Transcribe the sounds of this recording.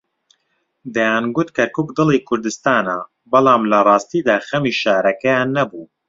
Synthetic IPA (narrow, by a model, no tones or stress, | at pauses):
d̪ɐjaːnɡʊt̪kɐɾkuːkd̪ɨlˠiːkʰʊɾd̪ɨst̪aːnɐ̰ | bɐlˠɑːmlɐrˤɑːst̪iːd̪aːxɐmiːʃaːɾɐkɐjaːnːɐbuː